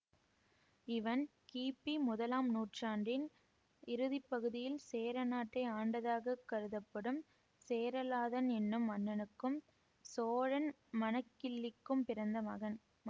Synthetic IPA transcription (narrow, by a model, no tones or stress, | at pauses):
ɪʋɐn | kiːpːimʊðɐlaːmnuːʈraːɳɖɪn | ɪɾɯðɪpːɐɣɯðɪjɪlseːɾɐnaːʈːɐɪaːɳɖɐðaːɣɐkːɐɾɯðɐpːɐɽɯm | seːɾɐlaːðɐnɛnːɯmːɐnːɐnɯkːɯm | soːɻɐn | mɐnɐkːɪlːɪkːɯmpɪɾɐnd̪ɐmɐɣɐn